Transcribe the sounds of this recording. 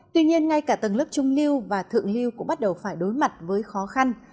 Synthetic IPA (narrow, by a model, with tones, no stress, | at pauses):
t̪wi˧ɲi˧ənŋa˧jkaː˧˩t̪ɨ˨˩ŋlə˦˥p̚t͡ɕʊ˧ŋ͡mli˧əwvaː˨˩t̪ʰɨ̰˧˨əŋli˧əwkʊ̰˧˥ŋ͡mɓa˦˥t̚ɗə˨˩wfaː˧˩jɗo˨˦jma˨˩t̚vəː˨˦jxɔ˨˦xa˧n